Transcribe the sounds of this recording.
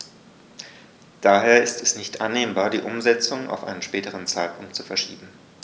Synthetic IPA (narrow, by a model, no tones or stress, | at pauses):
d̥aːɦeːɐɪstɛsnɪçtʔanːeːmbaːɐdiːʔʊmzɛt͡sʊŋa̰ʊfʔa̰ɪnənʃpɛːtəʁ̞ənt͡saɪt̚pʰʊŋk̚tt͡sufɛɐʃiːbm̩